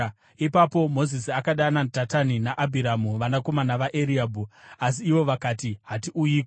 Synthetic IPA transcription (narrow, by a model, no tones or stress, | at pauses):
ipapo̞mo̞zisiakaɗanatataninaʔabʱiɾamuʋanako̞manaʋaʔeɾiaːbʱuas̬iːʋo̞ʋakaːtiɦatiʔujiːke